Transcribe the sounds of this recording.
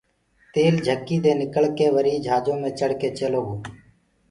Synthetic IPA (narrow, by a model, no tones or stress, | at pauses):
t̪eːld͡ʒʱəkːiːd̪eːnɪkəɭkeːʋəɾiːd͡ʒʱaːd͡ʒõːmẽːt͡ʃəɽ̤keːt͡ʃeloːɦoː